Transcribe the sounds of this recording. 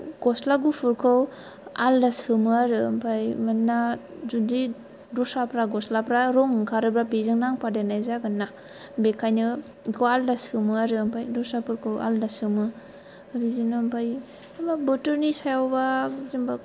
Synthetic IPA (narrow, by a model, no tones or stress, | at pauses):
ɡ̥ɔslaɡupʰɯɾkʰɯw | a̰ldasɯmɯaɾɯmpʰajmanːa | zudi | dusapɾaɡɔslapɾaɾɔŋkʰaɾɯbɾabizɯŋnaŋpadenajzaɡɯnːa | bekʰajnɯ | ɡɯaldasɯmɯaɾɯampʰajdusapʰɯɾkʰɯwa̰ldasɯmɯ | abizinɯmpʰaj | ababɯtɯɾnisajawbazimba